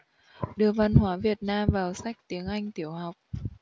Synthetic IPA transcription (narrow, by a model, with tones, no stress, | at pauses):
ɗɨ˨˩əvə˨˩nhwaː˨˦vi˨˩ət̚naː˧mvaː˨˩wsa˦˥jk̟̚t̪i˨˦əŋʔa˧jŋ̟t̪i˧˩əwha˨˩wk͡p̚